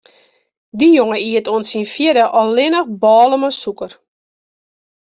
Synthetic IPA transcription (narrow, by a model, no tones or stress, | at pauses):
dijoŋəiətoənsinfjɪdəʔɔlɪnəxbɔːləməsukər